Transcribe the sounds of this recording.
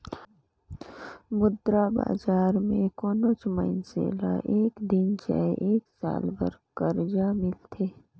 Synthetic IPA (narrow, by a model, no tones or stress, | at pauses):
mʊd̪ɾaba̰ːzaːɾmẽkoːnot͡ʃməɪnsḛːla̰ʔeːkd̪ɪnt͡ʃa̰eʔeːksa̰ːlbə̰ɾkəɾd͡ʒamɪlt̪ʰeː